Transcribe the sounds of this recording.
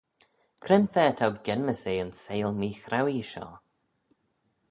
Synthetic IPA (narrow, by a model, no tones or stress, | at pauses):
kʰɾɛnfɛːtʰawɡɛnməseːənseːlˠmiːxɾawiʃɔ̰ː